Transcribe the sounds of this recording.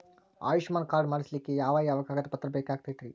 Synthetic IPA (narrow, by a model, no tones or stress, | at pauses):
a̰ːjuʂmaːnkaːɾɖmaːɽislikːejaːʋaːjaːʋɐɡaːɡɐd̪ɐpɐt̪ːɾɐbɛːkaːɡ̚t̪ijt̪ɾi